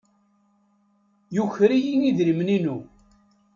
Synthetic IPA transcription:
juçɾijiniðɾimninu

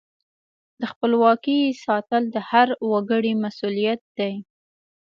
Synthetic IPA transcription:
d̪əxpəlwɑkisɑt̪əld̪əhaɾwaɡəɽimasulijat̪̚d̪aj

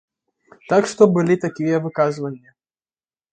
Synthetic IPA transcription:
t̪akʂt̪ɔbɨlʲit̪akʲijɐvɨkazvɐnʲːɐ

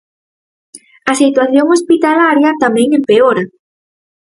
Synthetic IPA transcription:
ɐsit̪waθjoŋospit̪alaɾjɐt̪amɛ̃ŋempeoɾɐ

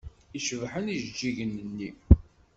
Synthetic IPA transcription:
iʃəvħəniʒd͡ʒːiʝənənːi

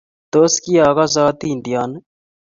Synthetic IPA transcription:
t̪oːskiːaːɣaːz̬aːt̪ind̪ijaːn

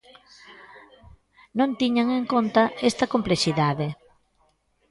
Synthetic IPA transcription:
nõnt̪iɲaŋeŋkont̪ɐest̪ɐkomplesiðaðe

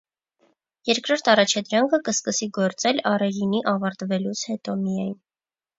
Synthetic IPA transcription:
jɛɾkɾɔɾt̪ʰɑrɑt͡ʃʰɑd̪ɾɑŋkʰəkəskəsiɡɔɾt͡sɛlɑrɛjiniʔɑvɑɾt̪vɛlut͡sʰhɛt̪ɔmijɑjn

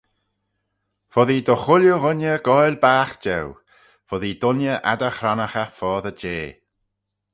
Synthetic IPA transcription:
fɔðid̪ɔxʊljuɣʊnjəɡ̥ɔjlbaːxd͡ʒɛw | fɔðid̪ʊnjəʔa̰d̪əxɾanəxafɔːðəd͡ʒeː

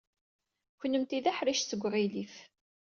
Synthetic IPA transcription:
çənəmt̪iðaħɾiʃsəɡʷːʁilif

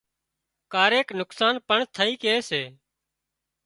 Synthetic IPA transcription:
kaːɾeːknʊksaːnpəɳt̪ʰəiːkeeːseː

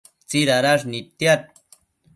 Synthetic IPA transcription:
t͡siɾaɾaʐ̬nit̪ːjat̪̚

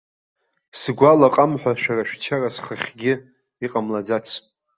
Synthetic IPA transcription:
sɡʷalaqʼamħʷᶣaʃᶣaraʃᶣt͡ʃʰarasχəχʲɡʲɪ | iqʼamlad͡zat͡sʰ

